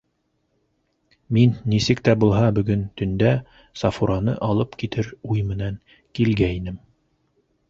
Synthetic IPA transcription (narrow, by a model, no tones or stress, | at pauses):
minːisɘk̚t̪æbulˠɦɑbɵ̆ɡɵnt̪ɵ̆nd̪æ | sɑfuɾɑnɤ̰ʔɑlˠɤpkit̪ɘɾujmɘ̆næŋ | kilɡæinɘm